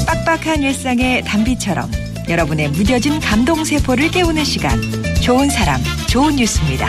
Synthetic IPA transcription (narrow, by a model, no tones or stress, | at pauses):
p͈ak̚p͈akʰanjʌɭs͈aŋe̞tambit͡ɕʰʌɾʌ̰m | jʌɾʌbune̞mudjʌd͡ʑinkamdoŋsʰe̞pʰoɾɯɭk͈e̞unɯnɕʰiɡa̰nt͡ɕoɯnsʰaɾa̰mt͡ɕounːus͈ʰɯmɲida̰